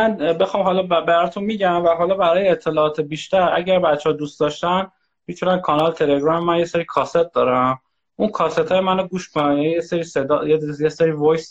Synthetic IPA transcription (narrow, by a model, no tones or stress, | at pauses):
mænbe̞xɒːmɦɒːlɒːbbæɾɒt̪ʰunmiːɟæmvæɦɒːlɒːbæɾɒːjeːt̪ʰːe̞lɒːɒːt̪ʰebiːʃt̪æɾʔæ̰ɟæɾbæt̪t͡ʃʰːɛhɒd̪ust̪d̪ɒʃt̪æn | mit̪ʰunænkʰɒnɒlt̪ʰe̞le̞ɡɾɒmmænjeseɾiːkʰɒːset̪̚d̪ɒːɾæm | ʔunkʰɒːset̪ʰɒːjemænoɡuːʃkʰonænjænijeseɾiːsed̪ɒːjejeseɾiːvojs